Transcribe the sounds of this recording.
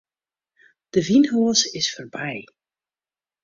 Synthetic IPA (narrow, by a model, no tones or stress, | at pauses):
d̥əvinɦoəsɪsfərbɛj